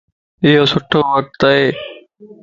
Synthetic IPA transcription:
ɪɦoːsʊʈʰoːʋək̚t̪aɦeː

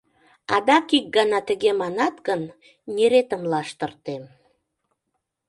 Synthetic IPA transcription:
ɑd̪ɑkik̚ɡɑnɑt̪əɣemɑnɑt̪ɣən | neɾet̪ə̆mlɑʃt̪ə̆rt̪em

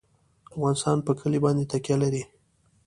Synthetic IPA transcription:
afɣɑnɪst̪ɑnpəkʰəlibɑnd̪et̪akjalaɾi

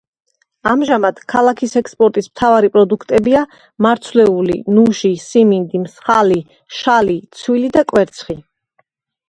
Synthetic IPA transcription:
amʒamad̪̥kʰalˠakʰisɛkspʼɔɾt̪ʼismt̪ʰavaɾipʼɾɔd̪ukʰt̪ʼɛbia | maɾt̪sʰwlɛulḭnuʃisimind̪imsχali | ʃalit̪sʰwilid̪akʼwɛɾt̪sʰχi

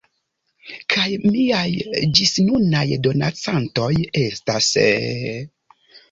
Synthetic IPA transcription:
kʰajmiajd͡ʒisnunajdo̞na̰t͡santo̞jestas

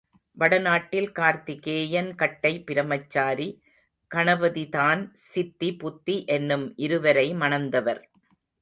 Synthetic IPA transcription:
ʋɐɽɐnaːʈːɪlkaːɾt̪ikeːjɐnkɐʈːɐɪpːɪɾɐmɐt͡ʃːaːɾi | kɐɳɐʋɐðitaːnsɪt̪ːipʊt̪ːiʔɛnːɯmʔɪɾɯʋɐɾɐɪmɐnɐnd̪ɐʋɐɾ

